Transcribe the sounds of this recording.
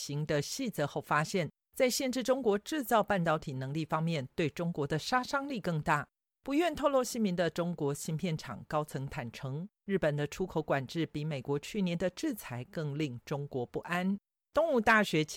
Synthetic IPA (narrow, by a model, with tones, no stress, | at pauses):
ɕi˧˥ŋd̪ə˧ɕi˥˩t͡sə˧˦xo˥˩ʊfa˥ɕjɛ˥˩n | t͡sa˥˧ɪɕjɛ˥˧nʈ͡ʂɻ̩˥˩ʈ͡ʂʊ˥ŋkwɔ˧˥ʈ͡ʂɻ̩˥˧t͡sɑ˥˧ʊpa˥˩nt̪ɑ˥ʊt̪ʰi˨˩nɤ˧˥ŋli˥˩fɑ˥ŋmjɛ˥˨nt̪we˥˩ɪʈ͡ʂʊ˥ŋkwɔ˧˥d̪ə˧ʂa˥ʂɑ˥ŋli˥˧kɤ˥˧ŋt̪a˥˩ | pu˧˥ɥɛ˥˧nt̪ʰo˥˧ʊlo˥˧ɕi˥nmi˧˥ŋd̪ə˧ʈ͡ʂʊ˥ŋkwɔ˧˥ɕi˥npʰjɛ˥˩nʈ͡ʂʰɑ̰˨˩ŋkɑ˥ʊt͡sʰɤ˧˥ŋt̪ʰa˨˩nʈ͡ʂʰɤ˧˥ŋɻɻ̩˥˩pə˨˩nd̪ə˦ʈ͡ʂʰu˥kʰo˧˥ʊkwa˨˩nʈ͡ʂɻ̩˥˩pi˧˥me˨˩ɪkwɔ˧˥t͡ɕʰy˥˩njɛ˧˥nd̪ə˧ʈ͡ʂɻ̩˥˩t͡sʰa˧˥ɪkɤ˥˧ŋli˥˩ŋʈ͡ʂʊ˥ŋkwɔ˧˥pu˥˩ʔa˥n | t̪ʊ˥˧ŋu˥˧t̪a˥˩ɕɥɛ˧˥t͡ɕʰ